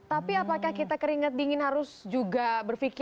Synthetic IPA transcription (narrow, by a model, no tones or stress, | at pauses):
t̪apiapakahkit̪akəɾiŋət̪̚diŋɪnɦaɾʊsd͡ʒuɡabərfiki